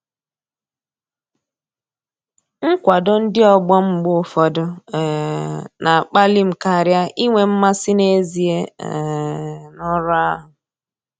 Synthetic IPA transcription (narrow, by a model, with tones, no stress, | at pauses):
ŋ̩˦kʷa˨dʊ˦n̩˦dɪ˦ɔ˨ɡ͡bɔ˦m̩˨ɡ͡bʊ˦˨fɔ˨dʊ˦˨ | na˨a˨k͡pa˦li˦m̩˨ka˨ɾja˦i˦ŋʷe˨m̩˦ma˦sɪ˦ne˦zi˨e˦˨ | nɔ˦ɾa˦ɦʊ˨